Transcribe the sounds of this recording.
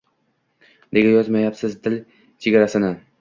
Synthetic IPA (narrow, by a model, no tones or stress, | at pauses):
ne̞ɡʲajɒzmajapsɪzd̪ɪl | t͡ʃʰe̞ɡʲaɾasɪnɪ